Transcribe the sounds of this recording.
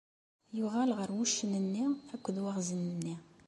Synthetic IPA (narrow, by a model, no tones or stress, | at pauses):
juʁælʁəɾwuʃːənənːiækʷːəd̪waʁzənənːi